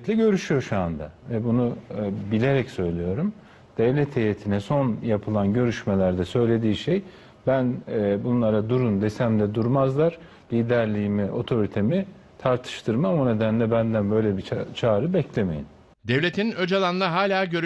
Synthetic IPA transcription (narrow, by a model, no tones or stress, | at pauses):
lʲɛɟø̞ɾyʃyjo̞ʃuand̪avɛbunubilʲe̞ɾɛcsø̞jlʲijo̞ɾum | d̪̥ɛvlʲɛt̪ʰejet̪ʰinɛso̞njapʰɯlˠanɟø̞ɾyʃmelʲæɾd̪ɛsø̞jlʲe̞d̪iːʃe̞j | bænbunlˠaɾad̪uɾund̪esæmd̪ɛd̪uɾmazlˠaɾ̥ | lʲiːd̪æɾlʲiːimiʔo̞t̪ʰo̞ɾit̪ʰe̞mi | t̪ʰaɾt̪ʰɯ̥ʃt̪ʰɯɾmamune̞d̪ænlʲɛbænd̪ænbø̞jlʲɛbit͡ʃʰaːɾɯbɛclʲeme̞jin | d̪evlʲet̪ʰinød͡ʒalˠanɯnaɦaːlʲaːɟø̞ɾ